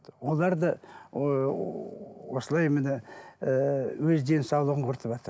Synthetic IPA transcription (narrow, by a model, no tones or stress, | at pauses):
wo̞lˠɑɾd̪ɑ | wosəlˠɑjmənɪ | wɵzd̪e̞nsɑwlˠəʁəɴqʰʊɾt̪əpʒɑt̪əɾ